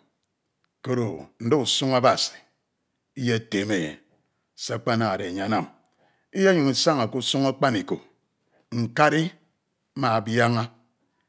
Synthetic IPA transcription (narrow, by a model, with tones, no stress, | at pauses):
ko˨ɾo˨n̩˦do˦u˨su˦ŋa˦ba˨si̥˨ | i˦je˦e˨te˨me˨jḛ˨ | sa˦k͡pa˦na˨ɾe˨ɲ˨a˨˦na˦˨m | i˦je˦ɲu˨ŋi˨sa˦ŋa˨ku˦su˦ŋa˦k͡pa˦ni˨ko˨ | ŋ̩˨ka˦ɾi˦ | ma˨ba˦ŋa˦